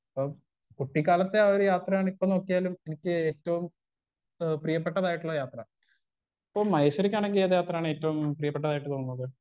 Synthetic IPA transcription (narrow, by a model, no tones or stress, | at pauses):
ɐpːo | kuʈːikːaːlɐt̪ːe̞ɐoɾujaːt̪rɐjaːɳipːono̞ːkːijaːlumenikʲːɨeːtːɐʋum | prijɐpːeʈːɐðaːjiʈːuɭːɐjaːt̪rɐ | pːomɐjɕɐɾikʲːaːnɳe̞ŋɡileðjaːt̪rɐaːɳɨe̞ːtːɐʋumprijɐpːeʈːɐðaːjiʈːɨt̪oːnːɐokːɐ